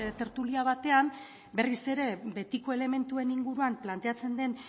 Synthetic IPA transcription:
t̪e̞ɾt̪uliaβ̞at̪e̞am | be̞rise̞ɾe̞be̞t̪iko̞e̞le̞me̞nt̪ue̞niŋɡuɾuamplant̪e̞at͡se̞nd̪e̞n

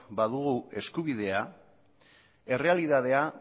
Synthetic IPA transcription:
baðuɣue̞skuβiðe̞a | e̞re̞aliðaðe̞a

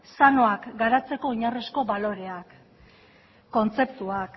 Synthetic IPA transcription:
sano̞akɡaɾat͡se̞ko̞iɲaresko̞βalo̞ɾe̞ak | o̞nt͡se̞pt̪uak

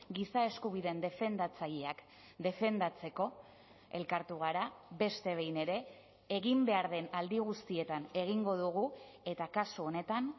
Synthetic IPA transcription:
ɡisae̞skuβiðe̞nd̪e̞fe̞nd̪at͡saʎeak | d̪e̞fe̞nd̪at͡se̞ko̞ | e̞lkaɾt̪uɣ̞aɾaβe̞st̪e̞βe̞jne̞ɾe̞ː | ɣimbe̞aɾðe̞nald̪iɣ̞ust̪ie̞t̪ane̞ɣ̞iŋɡo̞ðuɣ̞ue̞t̪akasuone̞t̪an

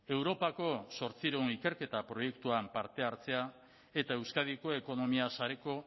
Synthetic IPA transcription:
e̞wɾo̞pako̞so̞ɾt͡siɾonike̞ɾke̞t̪apɾo̞je̞kt̪uampaɾt̪e̞aɾt͡se̞a | e̞t̪ae̞wskað̞iko̞e̞ko̞no̞miasaɾe̞ko̞

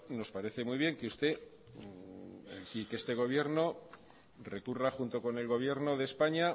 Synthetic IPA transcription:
no̞spaɾe̞θe̞mwuiβ̞je̞ŋkeust̪e̞ | sikest̪e̞ɣ̞o̞β̞je̞ɾno̞ | rekuraxunt̪o̞ko̞ne̞lɣo̞β̞je̞ɾno̞ð̞e̞spaɲa

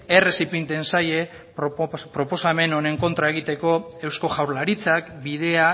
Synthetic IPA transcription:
ere̞sipint̪e̞nsaje̞ | ppɾo̞po̞same̞none̞ŋko̞nt̪ɾae̞ɣit̪e̞ko̞ewsko̞ʝawɾlaɾit͡sakbið̞e̞a

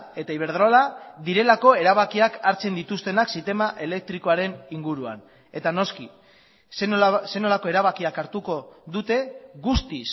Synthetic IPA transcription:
e̞t̪aiβ̞e̞ɾð̞ɾolaðiɾe̞lako̞e̞ɾaβakiakaɾt͡se̞nd̪it̪ust̪e̞naksit̪e̞maʔe̞le̞k̚t̪ɾiko̞aɾe̞niŋɡuɾua̰n | e̞t̪ano̞ski | sse̞no̞lako̞e̞ɾaβakiakaɾt̪uko̞ðut̪e̞ɣust̪is

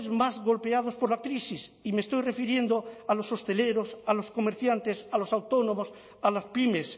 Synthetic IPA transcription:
zmazɣo̞lpe̞að̞o̞spo̞ɾlakɾisisimest̪o̞jre̞fiɾjẽ̞nd̪oalo̞so̞st̪e̞le̞ɾosalo̞sko̞meɾθjant̪e̞salo̞sawt̪o̞no̞mos | alaspimes

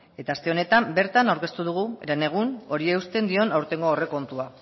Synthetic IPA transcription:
e̞t̪aːst̪e̞one̞t̪ambe̞ɾt̪anawɾke̞st̪uð̞uɣ̞uḛɾene̞ɣ̞uno̞ɾieust̪e̞nd̪io̞nawɾt̪e̞ŋɡo̞ore̞ko̞nt̪ua

